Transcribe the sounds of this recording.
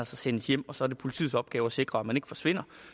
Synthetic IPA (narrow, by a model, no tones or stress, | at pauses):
ælsɐsenəsjem̰ɒ̽sɒ̽ɐd̥e̝pʰo̝li̥t͡sʰḭːsɒ̽b̥̚ɡ̥ɛːʊɒse̝ɡ̥ʁɐæ̥mæne̝ɡ̥fɒ̽sʋe̝n̰ɐ